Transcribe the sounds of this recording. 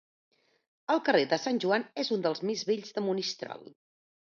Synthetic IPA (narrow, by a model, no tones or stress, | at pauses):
əlˠkəreðəsanʲʒuanezund̪əlˠzmizβeʎzðəmunist̪ɾɔ̰lˠ